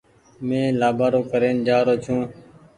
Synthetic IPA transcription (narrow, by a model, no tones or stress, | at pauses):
mẽːlaːbaːɾoːkəɾeːnd͡ʒaːɾoːt͡ʃʰũː